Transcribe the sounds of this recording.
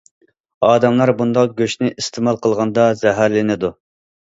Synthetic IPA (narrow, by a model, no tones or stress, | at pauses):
ɑːd̪ɛmlˠɑɾbund̪ɑq̚ɡʲøʃnɪʔist̪ʰemɑlˠqʰəlˠʁɑnd̪ɑzɛɦæɾlɪnɪd̪u